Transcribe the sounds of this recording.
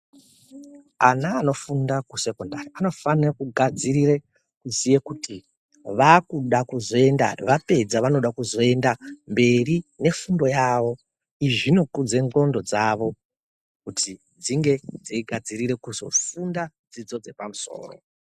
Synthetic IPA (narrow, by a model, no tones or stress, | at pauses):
anaːno̞fundakuse̞kondariano̞fanirakuɡʱad͡zirire | kuzijekutʰi | ʋakuɗakuzo̞e̞nda̰ʋape̞d͡zaʋano̞ɗakuzo̞e̞ndambe̞rine̞fundo̞jaʋo̞ | iʐino̞kud͡ze̞ŋɡo̞ndo̞d͡zaʋo̞ | kutʰi | d͡ziŋɡe̞d͡ziiɡʱad͡ziɾiɾe̞kuzo̞̰funda | d͡zid͡zo̞d͡ze̞pamuso̞̰ːro̞̰